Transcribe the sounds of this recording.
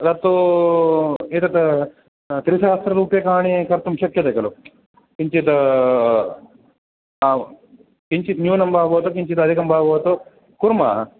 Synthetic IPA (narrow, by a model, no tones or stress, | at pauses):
d̪at̪ːo | et̪ɐt̪ | t̪ɾisɐast̪ɾɐɾuːpjɐkaɦaɳ̃ikɐɾt̪umɕɐkjɐt̪ekɐlo | kiɲt͡ɕit̪ | ã | k̪iɲt͡ɕiːt̪njuːnɐmbabɐɦt̪okiɲt͡ɕit̪ɐd̪ʱikɐmbabɐt̪o | kuɾma